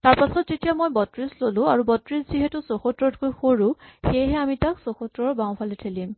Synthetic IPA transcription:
taɹpasɔtzetijamojbɔtɹislolʊ̃aɹubɔtɹisziɦetʊsoxɔtɹɔtkojxoɹũxejɦɛamitaksoxɔtɹɔɹbaw̃pʰalɛtʰelim

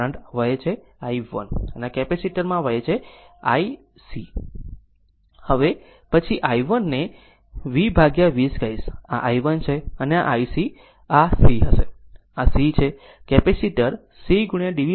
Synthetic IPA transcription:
əɳɖʋəjet͡ʃʰe | aiʋə̰nəneakɛpesiʈəɾmãʋəjet͡ʃʰea̰i | si | həʋe | pət͡ʃʰiʔaiʋənːe | ʋibʱaɡjaʋiskaisaʔaiʋənt͡ʃʰeənea̰ʔaisi | asiɦəʃe | asit͡ʃʰe | kɛpesiʈəɾ | siɡuɳijãɖiʋi

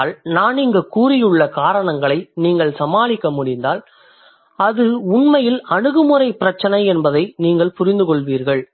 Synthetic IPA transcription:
lnaːnɪŋɡɐkuːɾɪjɯɭːɐkaːɾɐɳɐŋɡɐɭɐɪniːŋɡɐɭsɐmaːlɪkːɐmʊɽɪnd̪aːl | ɐðɯʊɳmɐjɪlɐɳɯɣɯmɯrɐɪpːɪɾɐt͡ʃːɐnɐɪɛnbɐðɐɪniːŋɡɐɭpʊɾɪnd̪ɯkɔɭʋiːɾɣɐɭ

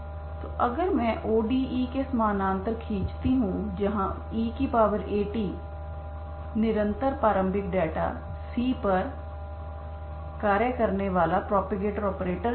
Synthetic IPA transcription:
t̪oːʔəɡəɾmɛ̃ːʔoːɖiːʔiːkesmaːnãːnt̪əɾkʰĩːt͡ʃt̪iːɦũːd͡ʒəɦãː | iːkipaːʋəɾeːʈiː | nɪɾə̃nt̪əɾpaːɾə̃mbɪk̚ɖɛːʈa̰ː | siːpəɾ | kaːɾjəkəɾneːʋaːlaːpɾɔːpeɡeːʈəɾɔːpɾeːʈəɾ

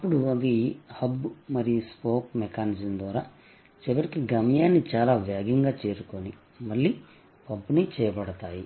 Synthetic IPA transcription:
ɐpːuɽuɐd̪ihɐbmɐɾijuspoːkmekaːnid͡ʒɐmd̪ʋaːɾaː | t͡ʃɛʋɐɾikiɡɐmɐjaːnːit͡ʃaːlaːʋjaːɡiŋɡaːt͡ʃe̞ːɾuko̞ni | mɐɭːi | pɐbːunit͡ʃɛːjɐbɐɽɐt̪aːji

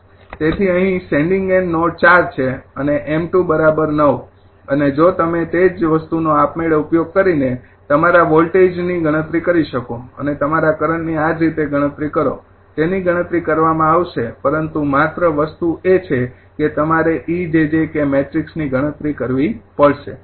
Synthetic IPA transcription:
t̪et̪ʰiəɦĩsɛ̃ɳɖĩŋɡenːoʈ̚t͡ʃaɾt͡ʃʰeəneʔemʈubəɾabəɾnəʋ | əned͡ʒot̪əmet̪ed͡ʒʋəst̪unoapmeɭeupjoɡ̚kəɾine | t̪əmaɾaʋɔlʈed͡ʒniɡʱəɽ̃ət̪ɾikəɾiʃəkoə̰net̪əmaɾakəɾəɳniad͡ʒɾit̪eɡʱəɽ̃ə̃t̪ɾikəɾo̰ | t̪eniɡəɽ̃ət̪ɾikəɾʋamãaʋʃepəɾənt̪umat̪ɾəʋəst̪uet͡ʃʰe | ket̪əmaɾeʔid͡ʒed͡ʒekemeʈɾiksniɡʱəɽ̃ət̪ɾikəɾʋipəɭʃḛ

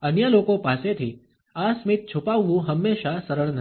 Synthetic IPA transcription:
ənjəlokopaset̪ʰi | asmɪt̪̚t͡ʃʰupaʋʋũɦəmːeʃasəɾəɾnə

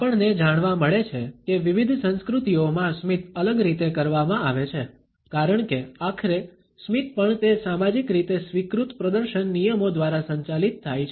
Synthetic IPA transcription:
apəɳned͡ʒaɽ̃ʋãməɭet͡ʃʰekeʋiʋid̪ʱsə̃nskɾut̪iomãsmit̪ʰələɡɾit̪ekəɾʋamãaʋet͡ʃʰe | kaɾəɳkeakʰəɾe | smit̪pəɳt̪esamad͡ʒikɾit̪esʋikɾut̪pɾəd̪əɾʃənːijəmod̪ʋaɾasə̃ɲt͡ʃalit̪ʰːajt͡ʃʰ

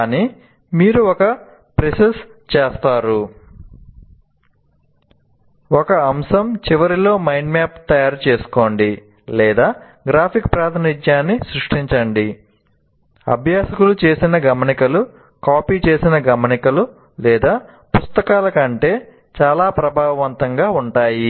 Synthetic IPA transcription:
kaːniː | miːɾuɔkɐ | pɾesɐst͡ʃeːst̪aːɾu | ɔkɐɐmsɐmt͡ʃiʋɐɾilo̞ːmɐjɳɖmaːpt̪ɐjaːɾt͡ʃe̞ːsu̥ko̞ːɳɖi | lɛːd̪aː | ɡɾaːpʰikpɾaːt̪ʰɐnid͡ʒjaːnːisɾuʂʈiɲt͡ʃɐɳɖi | ɐ̰bʱjaːsɐkulut͡ʃe̞ːsinɐɡɐmɐnikɐlu | kaːpiːt͡ʃe̞ːsinɐɡɐmɐnikɐlu | lɛːd̪aː | pust̪ɐkaːlɐkɐɳʈe̞ː | t͡ʃaːlaːpɾɐbʱaːʋɐʋɐnt̪ɐŋɡaːuɳʈaːji

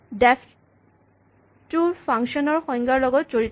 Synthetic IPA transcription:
dɛf | tupʰaŋkʃiɔnɔɹxɔjŋɡaɹlɔɡɔtz̥oɹit

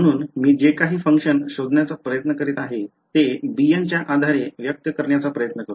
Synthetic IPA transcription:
məɽ̃uːnmiːd͡ʑekaɦiːfəŋkʂənɕod̪ʱnjat͡sapɾəjət̪nəkəɾiːt̪aɦe | t̪ebijant͡ɕjaʔad̪ʱaɾeʋjək̚t̪əkəɾɳjat͡sapɾəjət̪nəkəɾ

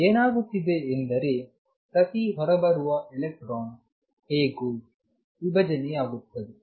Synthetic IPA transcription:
eːnaːɡut̪ːid̪eːnd̪ɐɾe | pɾɐt̪iɦɔɾɐbɐɾuʋɐʔelek̚ʈɾoːn | heːɡu | ʋibɐd͡ʒɐneaːɡut̪ːɐd̪e

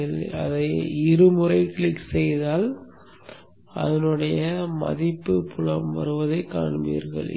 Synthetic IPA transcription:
ɐɐ̰ðɐɪɪɾɯmɯrɐɪkɭɪkːsɛjðaːl | ɐ̰ðɐnɯɽɐjɐmɐ̰ðɪpːɯpʊlɐmʋɐ̰ɾɯʋɐðɐɪka̰ːɳʋḭːɾɣɐ̰ɭ

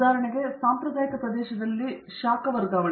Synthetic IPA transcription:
aːɾɐɳiɡe̞saːmpɾɐd̪aːjikɐpɾɐd̪ɛːʃɐd̪ɐlːi | ʃaːkɐʋɐɾɡaːʋɐ

